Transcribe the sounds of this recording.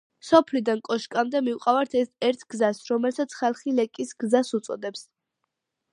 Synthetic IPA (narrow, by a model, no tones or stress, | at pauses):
sɔpʰlid̪ankʼɔʃkʼamd̪ɛmiuqʼavaɾt̪ʰɛsɛɾt̪ʰɡ̥zasɾɔmɛlsat̪sʰχalˠχilɛkʼisɡzasut̪sʼɔ̰d̪ɛps